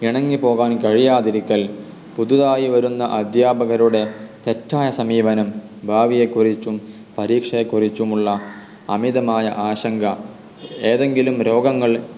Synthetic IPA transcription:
iɳɐŋːipo̞ːɣaːnkɐɻijaːðiɾikʲːɐl | pud̪uðaːjiʋɐɾunːɐʔɐd̪jaːbʱɐɣɐɾuɽe̞t̪e̞tːaːjɐsɐmiːʋɐnɐm | bʱaːʋije̞kːurit͡ɕːum | pɐɾiːkʂɐjekːurit͡ɕːumuɭːɐ | ɐmiðɐmaːjɐʔaːɕɐŋɡʱɐ | e̞ːðe̞ŋɡilumɾo̞ːɡɐŋːɐɭ

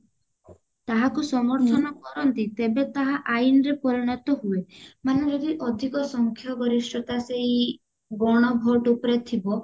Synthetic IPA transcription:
t̪aɦakusɔmɔɾt̪ʰɔnɔkɔɾɔnt̪it̪ebet̪aɦaʔainɔɾepɔɾiɽ̃ɔt̪ɔɦuemaned͡ʒɔd̪iʔɔd̪ʱikɔsɔŋkʰjɔɡɔɾiʃʈɔt̪aseɦi | bɔɽ̃ɔbʱɔʈupɔɾet̪ʰibɔ

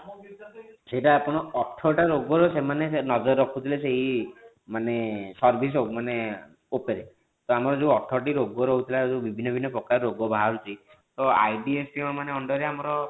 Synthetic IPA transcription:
seiʈaːpɔɽ̃ɔɔʈʰːɔʈaɾoɡɔɾɔsemanenɔd͡ʒɔɾːɔkʰut̪ʰileseɦi | manesɔɾbʱis̬mane | opeɾe | t̪ɔamɔɾɔd͡ʒeuɔʈʰɔʈiɾoɡɔɾɔɦout̪ʰilad͡ʒebibʱinːɔbʱinːɔpɾɔkaɾɔɾoɡɔbʱaɦaɾut͡ʃʰi | t̪ɔa̰jɖiespimamaneɔɳɖɔɾeamɔɾɔ

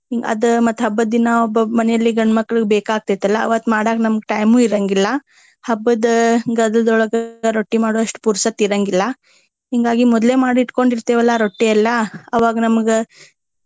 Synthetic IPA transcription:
ɦiŋɡɐɐ̰d̪mɐt̪ːɦɐbːɐd̪inɐɔbːɐmɐnɛjɐlːiɡɐɳmɐkːɭiɡbeːkaːɡ̚t̪ijt̪ɐlːɐ̰ːʋɐt̪ːmaːɽaːɡnɐmɐɡeʈɐjmuːiɾɐŋɡilːɐ | hɐbːɐd̪ɡɐd̪ɐlɐd̪ɔɭɐɡɐɾoʈːimaːɽoɐʂʈpuɾsɐt̪iɾɐŋɡilːɐ | ɦiːŋɡaːɡimɔd̪le̞ːmaːɽiʈko̞ɳɖiɾt̪eːʋɐlːaɾoʈːiɐlːɐɐʋaːɡɐnɐmɐɡe

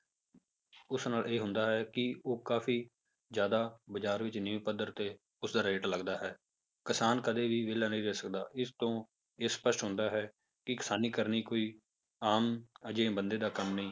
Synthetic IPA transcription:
ʊsnaːlʔeːɦʊnd̪aːɦɛːkɪoːkaːfʰiː | zjaːd̪aːbəd͡ʒaːɾʋɪt͡ʃnɪiːpəd̪əɾt̪eː | ʊsd̪aːɾeːʈləɡd̪aːɦɛː | kɪsaːnkəd̪eːʋiːʋeːlaːnəĩːɾɛːsəkd̪aːɪst̪õː | eːspəʃʈɦʊ̃nd̪aːɦɛː | kɪkɪsaːniːkəɾniːkoːiː | aːməd͡ʒẽːbənd̪eːd̪aːkəmnəɦĩː

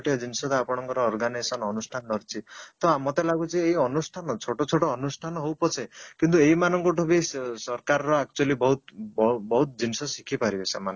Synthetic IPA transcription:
ʈiad͡ʒinsɔt̪aːpɔɽ̃ɔŋkɔɾɔːɾɡanasɔnɔnusʈʰanɖɔɾt͡ʃʰit̪ɔamɔt̪elaɡut͡ʃʰieɦiɔnusʈʰanɔt͡ʃʰoʈot͡ʃʰoʈɔːnusʈʰanɔɦowpɔt͡ʃʰekint̪ueɦimanɔŋkɔʈʰubisɔɾkaɾɔɾɔak̚t͡ʃualibɔɦut̪bbɔɦut̪d͡ʒinsɔsikʰipaɾibesemane

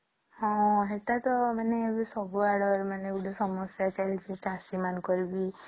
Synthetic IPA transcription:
hɔ̃ɦeʈat̪ɔmaneebisɔbuaɽɔɾmaneuɽɔsɔmɔsjat͡ʃalsitasimankɔɾibi

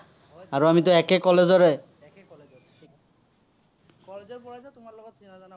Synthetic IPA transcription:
aɹuamit̪oɛkekɔlezɔɹe

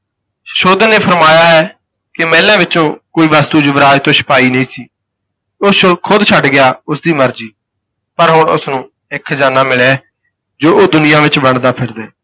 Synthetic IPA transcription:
ʃoːd̪əneːpʰəɾmaːjaːɦɛː | kɪmɛːlãːʋɪt͡ʃõːkoːiːʋaːst̪uːd͡ʒəʋəɾaːjt̪õːʃə̥paːiːnəĩːsiː | oːkʰʊd̪t͡ʃʰəɖɡɪjaːʊsd̪iːməɾd͡ʒiː | pəɾɦʊɳʊ̰snũː | ɪkʰd͡ʒaːnãːmɪɭɛː | d͡ʒoːoːd̪ʊnɪjãːʋɪt͡ʃbəɳd̪aːpʰɪɾd̪ɛː

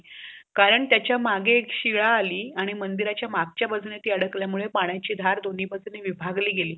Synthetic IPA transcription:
kaɾəɳt̪jat͡ɕjamaɡeːkɕiɭaːliːaɽ̃imənd̪iɾat͡ɕjamaɡ̚t͡ɕjabəd͡znet̪iːəɽəkljamuɭepaɽ̃jat͡ɕiːd̪ʱaɾd̪oniːbəd͡zneʋibʱaɡliːɡeliː

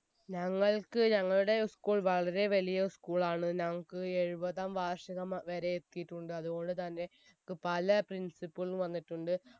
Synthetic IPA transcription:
ɲɐŋːɐɭkɨɲɐŋːɐɭuɽe̞skuːɭʋɐɭɐɾe̞ʋɐlijɐskuːɭaːɳɨɲɐŋːɐɭkɨe̞ɻubɐðaːmʋaːʂɐɣɐmʋɐɾe̞ːt̪ːijiʈːuɳɖɨɐðuɣo̞ɳɖɨt̪ɐnːe̞ | okːɨpɐlɐprinsipːɨɭuʋɐnːiʈːuɳɖɨ

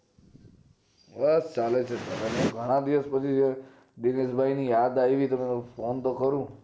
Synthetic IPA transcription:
bəst͡ʃalet͡ʃʰet̪əmenẽɡʱəɽ̃ãd̪iʋəspət͡ʃʰid͡ʒe | ɖinesbʱainijad̪ajʋit̪əmẽopʰont̪okəɾũ

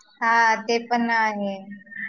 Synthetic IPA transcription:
ɦaːt̪eːpənaːɦe

